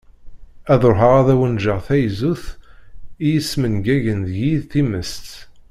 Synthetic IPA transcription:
æðoɾɦəʁæðæwənʒəʁθæjzuθ | ijəsmənɡæʝənðʝiðθiməst̪

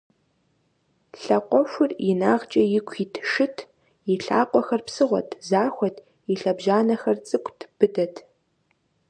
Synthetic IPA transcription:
ɬɐqʷʼɔʃʷʊrjɪnaːʁt͡ʃʼɐjɪkʷʰiːtʰʃɪtʰ | jɪɬa̰ːqʷʼɔxɐrpsɨʁʷɔ̰tʰzaːxʷɔtʰ | iɬɐbʒaːnɐxɐrt͡sʼɨkʷʼtʰb̥ɨdɐtʰ

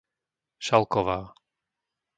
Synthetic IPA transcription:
ʃalˠkɔʋaː

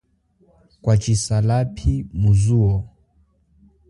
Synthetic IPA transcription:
kwat͡ʃisalapʰimuzuɔ

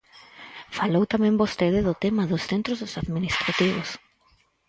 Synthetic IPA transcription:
falowt̪amẽmbost̪eðɪðʊt̪emaðʊsθẽnt̪ɾozosaðminist̪ɾat̪iβos

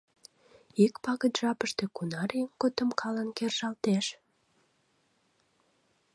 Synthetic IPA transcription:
ikpɑɣət̪ʒ̥ɑpəʃt̪e̽kunɑɾiəmkot̪əmkʰɑlənkerʒɑlt̪eʃ

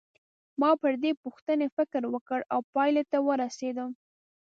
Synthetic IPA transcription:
mɑpəɾd̪epuxt̪ənefɪkɾwəkəɽawpɑjlet̪awəɾased̪ə

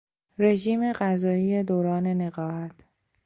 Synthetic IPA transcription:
ɾe̞ʒiːme̞ɢæzɒːiːje̞d̪oːɾɒːne̞ne̞ɣɒːɦæt̪ʰ

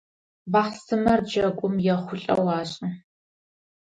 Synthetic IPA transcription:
baːχsɨmɐrd͡ʒɐkʷʼʊmjɛχʷʊɬʼɐ̰wɑːɕʼɐ

